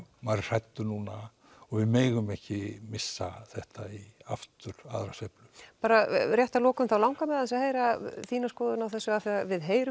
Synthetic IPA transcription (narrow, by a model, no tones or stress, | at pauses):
maɾr̥ajt̪ːʏnuːna | ɔɣvɪmeːɣʏmɛhcɪmɪsːaθɛht̪aiaft̪ʏɾ̥a̰ðɾasejplʏpaːɾarjɛht̪alɔːkʏmθawlawŋkamɛðans̬aheːjɾaθiːnaskɔːðʏnawθɛsːʏaθfɛɾavɪðɦeːjɾʏ